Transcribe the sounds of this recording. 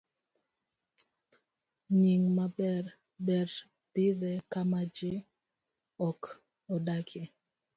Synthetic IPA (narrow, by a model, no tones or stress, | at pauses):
ɲiŋmabɛr | bɛɾ | tɪðɛkamad͡ʒɪ | ɔk | ɔdakʰe